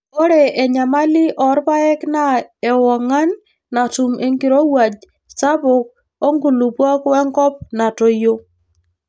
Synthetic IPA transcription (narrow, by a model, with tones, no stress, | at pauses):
o˦ɾe˨ʔɛ˨ɲa˨ma˦lɪ˦ʔɔ˨ɾba˦ɛ˦kna˦ɛ˨wɔ˨ŋa˦nː | a˨tu˨mʔe˨ŋɡi˨ɾo˦wa˨d͡ʒ | sa˦βʊ˨k̚ | o˦ŋɡu˨lu˨pwɔ˦kwɛ˦ŋkɔ˦p̚na˨to˨jo˦